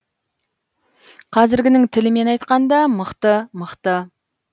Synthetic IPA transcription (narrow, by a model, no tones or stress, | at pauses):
qʰɑzɪɾɡʲɪnɪŋt̪ʰɪlɪme̞nɑjt̪qɑnd̪ɑməqt̪əməqt̪ə